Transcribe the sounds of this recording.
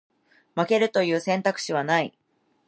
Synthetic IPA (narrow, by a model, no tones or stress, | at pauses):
make̞ɾɯ̟t̪o̞jɯ̟ːsẽ̞nt̪akɯ̟̥ɕiβ̞anai